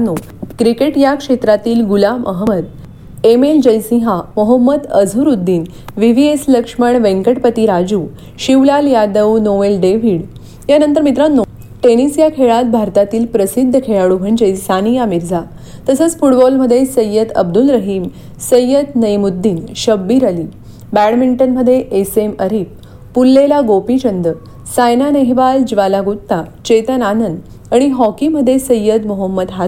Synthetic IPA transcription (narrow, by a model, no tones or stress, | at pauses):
nːo | kɾikeʈjakʂet̪ɾat̪iːlɡulamʔəɦməd̪̚ | emeld͡ʑəjsĩɦaməɦəmːəd̪əd͡zʱuɾud̪ːin | ʋiʋiesləkʂməɳʋẽŋkəʈpət̪iɾad͡ʑuː | ɕiʋlaljad̪əwnoʋelɖeʋiɽ | janənt̪əɾmit̪̬ɾanːo | ʈenisjakʰeɭat̪̚bʱaɾt̪at̪iːlpɾəsid̪ʱːəkʰeɭaɽubʱənd͡ʑəjsanijamiɾd͡zʱa | t̪əsət͡sfuʈbɔlməd̪ʱːjesəjːəd̪ə̰b̚d̪ulɾəɦiːm | səjəd̪nəjmud̪ːiːnɕəbːiɾaliː | bæɽmiɳʈənməd̪ʱːjeʔeseməɾiːp̚ | pulːelaɡopit͡ɕənd̪ə | sajnaneɦʋald͡ʑiʋalaɡut̪ːat͡ɕet̪ənanənd̪ | aɽ̃iɦɔkiməd̪ʱːjesəjːəd̪moɦəmːəd̪ɦa